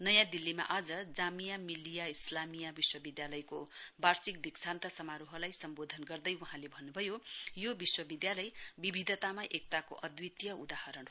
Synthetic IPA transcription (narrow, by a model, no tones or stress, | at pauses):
nʌjãd̪ilːima̰ʔad͡zʌd͡zamijamilːijaislamijabiswʌbid̪jalʌjkobarsik̚d̪iksant̪ʌsʌmaɾuɦʌlajsʌmbod̪ʱʌnɡʌrd̪ʌjuɦãlebʱʌnːubʱʌjojobiswʌbid̪jalʌjbibʱid̪ʱʌt̪amaʔek̚t̪akoʔʌd̪wit̪jʌud̪ahʌɾʌn